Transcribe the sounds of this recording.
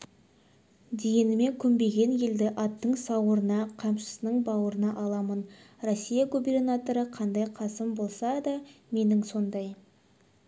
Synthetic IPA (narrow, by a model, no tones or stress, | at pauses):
d̪e̞ɡʲe̞nɪme̞ŋkʲʰʏmbe̞ɡʲe̞nje̞ld̪ɪʔɑt̪ːəɴsɑwəɾənɑqʰɑmʃə̥sənəɴbɑwəɾənɑʔɑlˠɑmənrosʲːijɑɡubernat̪o̞ɾəqʰɑnd̪ɑjqʰɑsəmbo̞lˠsɑd̪ɑme̞nɪŋso̞nd̪ɑj